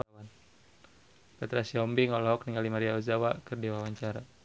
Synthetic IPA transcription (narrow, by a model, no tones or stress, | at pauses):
wan | pɛt̪ɾasiɔmbiŋɔlɔɦɔkniŋɡalimaɾiauzawakɨrdiwawaɲt͡ʃaɾa